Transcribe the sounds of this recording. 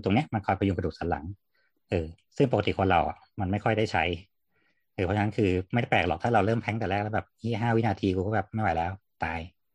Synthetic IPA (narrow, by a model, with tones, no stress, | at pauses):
t̪o˧ŋni˦˥ɐma˧nkʰɔː˧jpʰa˧ju˧ŋka˧duː˨˩saː˩˦nla̰˩˦ŋ | ʔɤː˧ | sɯ˥˩ŋpo˨˩ka˧t̪i˨˩kʰoː˨˧˦nɾa˧wʔa̰˨˩ | ma˧nma˥˩jkʰɔ˥˩jda˥˩jt͡ɕʰa˦˥j | ʔɤː˧˩pʰɔ˦˥a˧na˦˥kʰɯː˧m˥˩ja˥˩pɛː˨˩klɔː˨˩k̚t̪ʰaː˥˩ɾa˧wɾɤː˥˩mpʰɛ˦˥ŋt̪ɛː˨˩lɛː˥˩k̚lːbɛː˨˩p̚hiː˥˩ɦaː˥˩wi˦˥˨naː˧t̪ʰiː˧ku˧kɔː˥˩bɛː˨˩p̚ma˥˩jwa˨˦jlɛː˦˥wt̪aː˧j